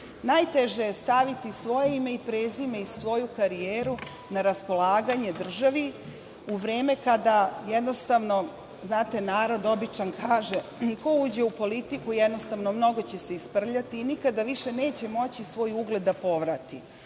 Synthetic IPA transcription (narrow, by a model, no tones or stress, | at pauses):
najt̪e̞ʒejest̪aʋit̪isʋo̞je̞ime̞ipɾeːzimeisʋo̞jukaɾijeːɾu | naɾaspo̞lˠaːɡaɲe̞d̪r̩ʒaʋi | uʋɾe̞ːme̞kad̪ajed̪no̞st̪aʋno̞ | znaːt̪e̞naːɾo̞d̪o̞bit͡ʃankʰaːʒeko̞uːd͡ʑe̞upo̞lit̪ikujed̪no̞st̪aʋno̞mno̞ɡo̞t͡ɕe̞se̞ispr̩ʎat̪iːnikad̪aʋiʃene̞ːt͡ɕe̞mo̞t͡ɕisʋo̞ːjuɡle̞d̪ːapo̞ʋɾat̪i